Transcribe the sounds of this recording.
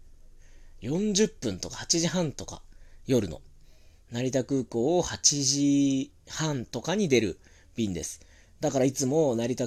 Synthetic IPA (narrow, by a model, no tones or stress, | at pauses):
jõ̞ɲ̟d͡ʑɨpːɯ̟̃nt̪o̞kḁhat͡ɕiʑiɦãnt̪o̞ka̰jo̞ɾɯ̟no̰ | naɾʲit̪akɯ̟ːko̞ːhat͡ɕiʑi | hãnt̪o̞kaɲ̟id̪e̞ɾɯ̟ | bʲĩnd̪e̞̰sɨ̥ | d̪akaɾait͡sɨmo̞naɾʲit̪a